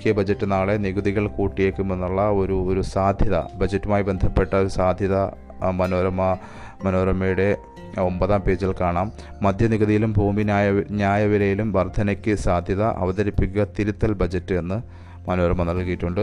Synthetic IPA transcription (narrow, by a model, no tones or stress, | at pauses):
kijɐbʱɐd͡ʑɐtːɨnaːɭeniɣuðiɣɐɭkuːʈːijeːkːumenːuɭːɐo̞ɾuoɾusaːd̪ʱjɐðɐ̰bʱɐd͡ʑɐtːumaːjibe̞nd̪ʱɐpːe̞ʈːɐo̞ɾusaːd̪ʱjɐðɐ | mɐnoːɾɐmɐ | mɐnoːɾɐmɐjuɽe̞ | o̞mbɐðaːmpe̞ːd͡ʑilkaːɳaːmː | ɐd̪ʱjɐniɣuðijilumbʱuːmiajɲaːjɐʋilɐjilumʋɐrd̪ʱɐnɐkʲːɨsaːd̪ʱjɐðɐʔɐ̰ʋɐðɐɾipːikʲːuːɐt̪iɾut̪ːɐlbɐd͡ʑɐtːɨe̞nːɨ | mɐno̞ːɾɐmɐnɐɭkijitːuɳɖɨ